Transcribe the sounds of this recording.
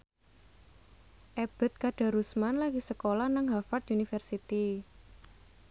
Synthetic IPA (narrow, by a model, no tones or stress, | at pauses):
ʔeb̥ə̤t̪̚kaɖ̥a̤ɾusmanlaɡisəkolahnaŋɦafat̪̚ʔunifərsit̪i